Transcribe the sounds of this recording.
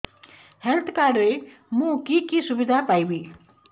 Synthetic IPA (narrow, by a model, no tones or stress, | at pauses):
hɛlt̪ʰkaɾɾe | mũkikisubid̪ʱapaibi